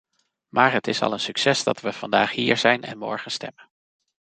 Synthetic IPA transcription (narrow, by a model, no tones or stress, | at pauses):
maːɹɦətɪsɑ̰lˠənsyksɛsdɑ̰tʋəv̥ɑndaːχɦiːɹz̥ɛjnɛ̰nmɔ̰ɹχənstɛ̰mən